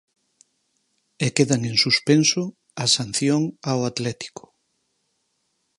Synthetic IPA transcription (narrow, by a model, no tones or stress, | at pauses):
ekeðaŋeŋsuspenso | asan̟θjoŋawat̪lɛt̪i̥ko̥